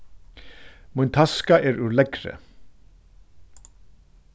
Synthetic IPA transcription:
mʊnt̪ʰɑskɑʔeːɾʉːlɛɡɾə̰

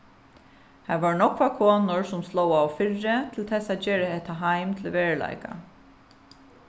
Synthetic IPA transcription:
haʋaɹnɔkʋakʰoːnʊɹsʊmslɔːwawfɪrːɪt̪ʰɪlt̪ʰɛsat̪d͡ʒeːɾɪhɛht̪ːaɦajmt̪ʰɪlʋeːɹla̰jka̰

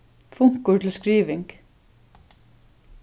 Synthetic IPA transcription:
fʊŋ̥kʊɹt̪ʰɪl̩skɾiːʋɪŋk

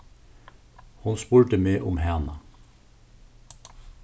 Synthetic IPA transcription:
hʊnspʊɽʈəmeːʔʊmhæːnɑ

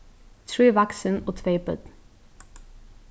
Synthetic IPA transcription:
t̪ʰɹiːʋaksənoːt̪ʰʋeɪpə̰d̪̥

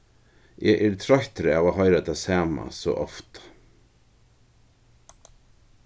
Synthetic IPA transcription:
ʔɛʔɛɾt̪ʰɾœht̪ɾɪavaːɦɔɪɾat̪ʰasaːma̰sɔ̰ʔɔft̪

